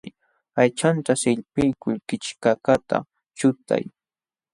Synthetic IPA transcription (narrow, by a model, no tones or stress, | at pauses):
ajt͡ʃant̪asɪʎpɪjkʊʎkɪt͡ʃkakat̪a̰ | t͡ʃʊt̪a̰j